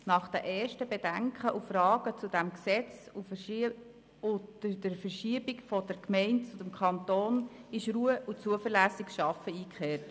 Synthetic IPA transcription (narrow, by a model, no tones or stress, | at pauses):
nɑχd̥̪æʔɛːɹʃtəbɛdæŋkχəʔufɾɑːɡ̥ət͡sudæmksɛt͡su | ʊdəɾfəɾʃiəbɪkfɔd̥ɛɾkmɛɪntt͡sʊd̥ɛmkʰɑnt̪oːnɪʃɾuːəʔut͡suəfəɾlæːsɪkʃɑfəiːkχeːt